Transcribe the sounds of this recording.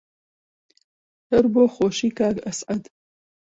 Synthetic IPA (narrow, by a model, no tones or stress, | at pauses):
hɐɾboːχoːʃiːkʰaːɡɐsʕɐd̪